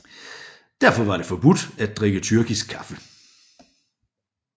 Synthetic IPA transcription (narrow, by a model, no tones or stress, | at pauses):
d̥æɐfɒ̽ʋɑ̈ɾ̥e̝fɒ̽b̥ud̥æd̚d̥ʁeɡ̥ət͡sʰyɐɡ̥isɡ̥̚kʰːɑ̈fə